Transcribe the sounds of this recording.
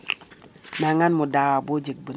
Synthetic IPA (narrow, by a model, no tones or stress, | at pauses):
naŋanmudaɣabod͡ʒik̚bi